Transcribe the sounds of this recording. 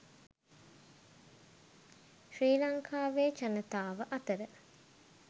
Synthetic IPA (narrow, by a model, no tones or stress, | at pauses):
ʃɾiːlaŋkʰaːʋeːt͡ʃanət̪aːʋəʔɐt̪əɾə